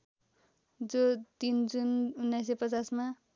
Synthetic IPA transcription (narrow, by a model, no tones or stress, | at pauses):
d͡zot̪ind͡zununːajsepʌt͡sasma